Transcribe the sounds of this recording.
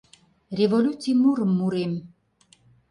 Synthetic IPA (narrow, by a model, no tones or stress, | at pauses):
rʲevolʲut͡simuɾəmːuɾem